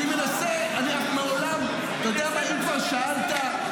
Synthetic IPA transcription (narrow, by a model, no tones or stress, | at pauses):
imenase | aniaχmaolam | jod̪eamaimkvaʁʃaalt̪a